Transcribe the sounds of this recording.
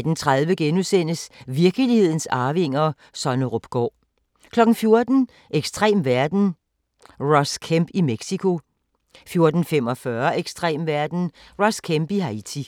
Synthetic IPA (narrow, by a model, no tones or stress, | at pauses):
d̥n̩t͡sʰʁaðˠʋəɡ̥enusen̰əsʋiɐɡ̥əlihe̝ð̞̰ˠn̩sɑ̈ːʋe̝ŋ̰ɐ | sɒ̽nəʁɔb̥ɡ̥ɒ̰ː | kʰlɒ̽ɡ̥n̩fjo̝ɐd̥n̩ | ʔeɡ̥sd̥ʁḛːmʋæɐd̥n̩ | ʁɒ̽skʰæmb̥imeɡ̥sikʰo̝ | fjo̝ɐd̥n̩fem̰ɒ̽fɶɐʔeɡ̥sd̥ʁḛːmʋæɐd̥n̩ | ʁɒ̽skʰemb̥iɦɑ̈it͡sʰi